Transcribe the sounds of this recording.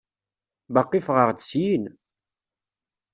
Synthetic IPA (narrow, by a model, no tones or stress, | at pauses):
bɑqːifʁəʁd̪sjin